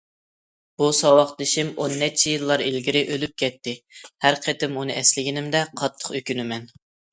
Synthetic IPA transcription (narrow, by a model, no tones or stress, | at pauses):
b̥usɑwɑqd̪ɪʃimonːɛt͡ʃʰːijilˠːɑɾelɡʲiɾɪʔølyp̚kʲʰɛt̪ʰːɪhæɾqʰɛt̪ɪmunɨɛslɪɡʲinɪmd̪ɛqʰɑt̪ʰːə̥qøkʲynymɛn